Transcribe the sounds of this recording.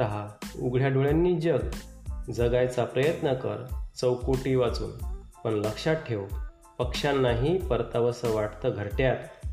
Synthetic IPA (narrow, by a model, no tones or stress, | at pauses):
t̪əɦauɡɭ̤jaɖʱuɭjanːiːd͡ʑəɡd͡zəɡajt͡sapɾəjət̪nəkə̰ɾt͡səwkoʈiːʋat͡sṵːnpəɳləkʂaʈʰːeʋ | pəkʂanːaɦiːpəɾt̪aʋəsəʋaʈt̪əɡʱəɾʈjat̪